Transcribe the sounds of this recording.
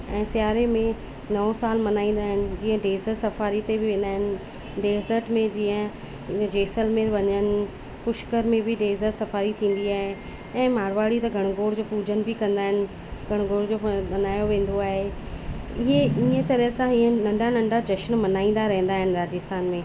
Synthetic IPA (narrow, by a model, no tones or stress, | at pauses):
ɛ̃ːsɪjaːɾemẽ | nɐsaːlmɐnaːĩːn̆d̪aːɦɪnɪ̆d͡ʑiːə̃ɖeːzəɾsɐfaːɾit̪ebɪʋẽːnd̪aːɦɪnɪ̆ | ɖeːzəɾʈmẽd͡ʑiːə̃ | d͡ʑeːsəlmeɾʋɐɲənɪ̆ | pʊʃkəɾmẽbɪɖeːzəɾsɐfaːɾit̪ʰĩːn̆d̪iaːɦe | ɛ̃ːmaːɾʋaːɽit̪ɐɡʱɐɽ̃ɡoːɽd͡ʑoːpuːd͡ʑənɪ̆bɪkɐ̃nd̪aːɦɪnɪ̆ | ɡʱɐɽ̃ɡoːɽd͡ʑoːmɐnaːjoʋẽːn̆d̪oaːɦe | ɪɦeiːə̃t̪ɐɾəɦsãiːə̃nɐ̃ɳɖanɐ̃ɳɖad͡ʑɐʃənmɐnaːĩːnd̪aɾɐɦn̆d̪aːɦɪnɪ̆ɾaːd͡ʑɪst̪ʰaːnmẽː